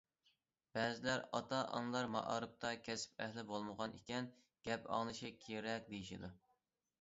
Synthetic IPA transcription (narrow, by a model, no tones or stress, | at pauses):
b̥ɛzɪlæɾɑt̪ɑʔɑ̰ŋlˠɑɾmɑ̰ʔɑɾɨp̚t̪ʰɑkʲʰɛsɪ̥pɛhlɪbolˠməʁɑnḭkʲɛn | ɡ̥ʲɛpɑ̰ŋnɨʃikʲʰeɾɛk̚ʲd̪ejiʃḭd̪u